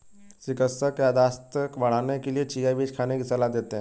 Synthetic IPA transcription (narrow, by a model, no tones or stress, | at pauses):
sɪkəsəkjaːd̪aːst̪əkbɐɽ̤aːnekeliet͡ʃiːjabiːd͡ʒkʰaːnekisəlad̪eːt̪eɦɛ̃